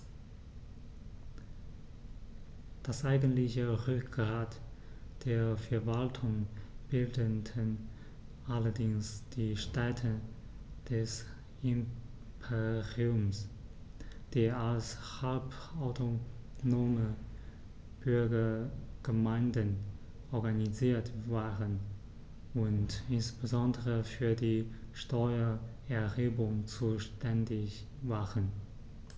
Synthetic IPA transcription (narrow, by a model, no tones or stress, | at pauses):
d̥asʔaɪɡəntlɪçəʁʏkɡ̥ʁaːtd̥eːɐfɛɐvaltʰʊŋb̥ɪldəndən | ʔalɐdɪŋsd̥iːʃtɛtʰə | d̥ɛs | ɪm | pʰeʁiʊms | d̥eːɐalshalpaʊtʰonoːmə | b̥ʏɐɡɐɡ̥əmaɪndən | ʔɔɐɡaniziːɐtv̥aːʁən | ʊntɪnsb̥əzɔndəʁəfyːɐdiːʃtɔʏɐ | ɛɐheːbʊŋt͡suːʃtɛndɪç | vaːʁən